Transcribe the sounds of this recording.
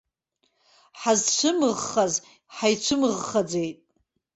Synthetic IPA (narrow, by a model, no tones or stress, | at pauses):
ħazt͡ʃʷʰɨmɨʁχaz | ħajt͡ʃʷʰɨmɨʁχad͡zejtʼ